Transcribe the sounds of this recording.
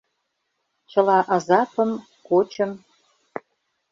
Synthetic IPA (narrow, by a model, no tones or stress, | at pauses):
t͡ɕə̆lɑʔɑzɑpəm | kot͡ɕə̆m